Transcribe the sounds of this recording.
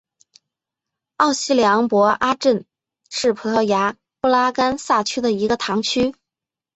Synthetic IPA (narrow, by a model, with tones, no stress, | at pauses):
ɑ˥˩ʊɕi˥ljɑ˧˥ŋpwɔ˧˥ʔa˥ʈ͡ʂə˥˩n | ʂɻ̩˥˩pʰɤ˧˥t̪ʰɤ˥˩ja˧˥ | pu˥la˥ka˥nsa˥˩t͡ɕʰy˥d̪ə˨i˧˥ɡə˧t̪ʰɑ˧˥ŋt͡ɕʰy˥